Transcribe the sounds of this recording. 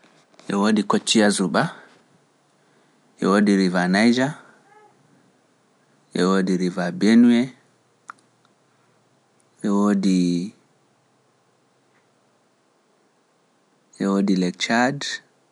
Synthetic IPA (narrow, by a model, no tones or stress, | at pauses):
ʔɛwoːdikot͡ʃːijazuɓa | ʔɛwoːdiɾivanajd͡ʒa | ʔɛwoːdiɾivabenuɛ | ʔɛwoːdi | ʔɛwoːdilɛk̚t͡ʃad